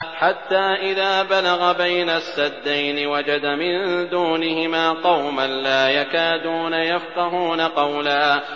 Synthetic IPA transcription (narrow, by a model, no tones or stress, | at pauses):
ħat̪ːaːʔɪðaːbalaɣabajnasːad̪ːajnɪwad͡ʒad̪amɪnd̪uːnɪhɪmaːqɑwmanlaːjakaːd̪uːnajafqɑɦuːnaqɑwla